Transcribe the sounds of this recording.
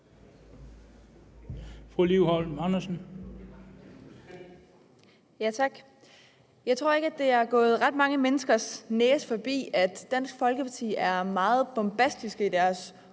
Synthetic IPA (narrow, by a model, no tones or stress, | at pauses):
fʁuliʊhɒlmɑnɐsən̩ | jæt͡sʰɑ̈ɡ̥ | jɑ̈ɪt͡sʰʁo̝ɐ̰e̝ɡ̥æd̥e̝æɐɡ̥ɔ̽ːð̞̩ˠʁɑ̈d̥̚mɑ̈ŋəmenəsɡ̥ɐsneːsfɒ̽b̥ḭːæd̥ːæn̰sɡ̥fɒ̽lɡ̥əpʰɑ̈t͡sʰḭːæɐmɑ̈ːð̞̩ˠb̥ɒmb̥æsd̥isɡ̥əid̥æɐs